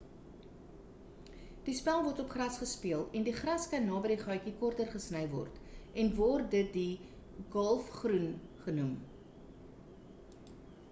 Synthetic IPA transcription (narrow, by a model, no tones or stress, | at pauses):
d̥ispælˠvɔrtɔpχrɐsχəspiəlˠɛndiχrɐskɐnːɑːbəɾiχɑjkikɔrtərχəsnəjvɔ̰rt | ɛnvɔrdət̚di | ɡɔlˠfχrunχənum